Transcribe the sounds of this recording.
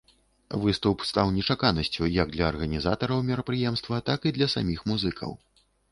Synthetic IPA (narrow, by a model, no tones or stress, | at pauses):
vɨst̪upst̪awnʲɛt͡ʂakanɐsʲt͡sʲujɐɡ̚d̪lʲɐːrɣɐnʲizat̪ɐɾɐwmʲɛɾɐpɾɨjɛmst̪vɐt̪akid̪lʲɐsa̰mʲixmuzɨkʰɐ̰w